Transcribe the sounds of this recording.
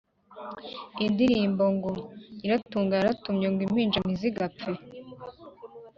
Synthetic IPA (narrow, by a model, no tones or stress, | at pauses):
indiɾiːmbo̞ŋɡoiɾatuːŋɡaaɾatumɲeŋɡwim̥hiːnd͡ʒamiziɡapp͡fe